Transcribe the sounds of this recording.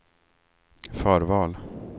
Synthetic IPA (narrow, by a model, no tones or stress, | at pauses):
fœːɾvɑːl